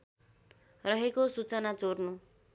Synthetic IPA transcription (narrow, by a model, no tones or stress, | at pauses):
rʌɦekosut͡sʌnat͡sornu